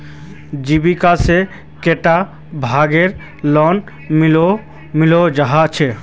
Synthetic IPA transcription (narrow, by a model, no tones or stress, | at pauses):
d͡ʒibikase | keʈa | bʱaɡeɾ | lɔn | milo | milod͡ʒaɦat͡ʃʰe